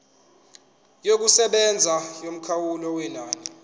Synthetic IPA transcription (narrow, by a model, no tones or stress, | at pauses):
jok̬usɛɓɛnd͡zʱajom̩kʰawulɔwɛnaːnɛ